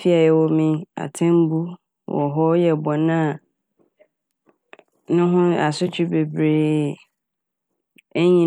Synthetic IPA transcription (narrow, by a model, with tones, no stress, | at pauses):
fi˦a˨jɛ˨wɔ˨mĩ˦a̰˨tʰɛ̃˦m˦bu˦ | wʔɔ̰˨ɦɔ˦jɛ˨bɔ˨nã˦˨ | nʊ̃˦ɦʊ̃˦a̰˨sʊ˦t͡ɕʰᶣɪ˦be˨bɾeː˨ | ɛ˦ɲĩ˦